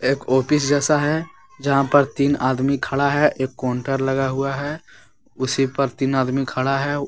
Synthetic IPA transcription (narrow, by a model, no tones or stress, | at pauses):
eːkoːpɪs̬d͡ʒɛːsaɦɛ | d͡ʒɐɦãpɐɾt̪iːnaːd̪mikʰɐɭaɦɛʔeːkːɔːɳʈəɾlɐɡaɦʊaɦɛː | ʊsipɐɾt̪iːnaːd̪mikʰɐɭaɦɛ